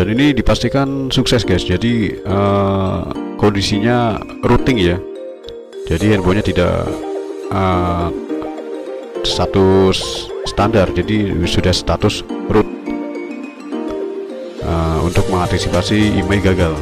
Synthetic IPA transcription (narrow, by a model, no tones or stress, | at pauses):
daninidipast̪ikansuksɛsɡasd͡ʒadiə | kondisiɲa | ɾut̪ɪŋja | d͡ʒadiɦɛnboɲat̪ida̰ʔ | ə | st̪at̪ussə̥t̪andard͡ʒadisudahst̪at̪ʊsrʊt̪̚ | əṵnt̪ʊk̚məŋant̪isipasiːmajɡaɡal